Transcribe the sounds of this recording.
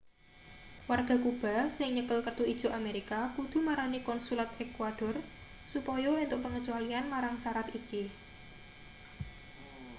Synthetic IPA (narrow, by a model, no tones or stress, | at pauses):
warɡ̥a̤kub̥a̤sɪŋɲəkəlkərd̪̥uid̥ʒ̥o̤ʔameɾikakud̪̥ṳmaɾanikɔnsulat̪ɛkwad̥ɔ̤r | supɔjɔɪnt̪ʊʔ̚pəŋət͡ʃualianmaɾaŋsaɾat̪iki